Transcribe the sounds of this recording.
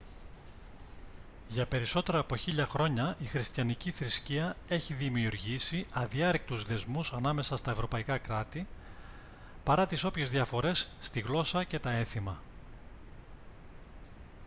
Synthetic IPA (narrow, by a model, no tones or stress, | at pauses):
ʝɐpe̞ɾiso̞t̪e̞ɾɐːpo̞çiʎɐxɾo̞ɲɐʔixɾist̪çɐniciθɾisciɐe̞çiðimiuɾʝisiɐðiɐɾek̚t̪uzðe̞zmusɐnɐme̞sɐst̪ɐevɾo̞pɐikɐkɾɐt̪i | pɐɾɐt̪iso̞pçezðjɐfo̞ɾe̞sːt̪iɣlo̞sɐce̞t̪ɐe̞θimɐ